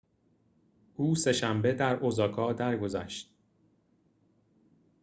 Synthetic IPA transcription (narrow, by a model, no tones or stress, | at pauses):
ʔuːse̞ʃæmbe̞d̪æɾʔozɒːkʰɒːd̪æɾɡo̞zæʃt̪̚